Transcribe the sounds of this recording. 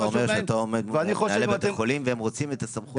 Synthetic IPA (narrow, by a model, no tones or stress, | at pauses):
omeʁʃeat̪aomedveaniχoealebet̪χolimveemʁo̞t͡simet̪asamχu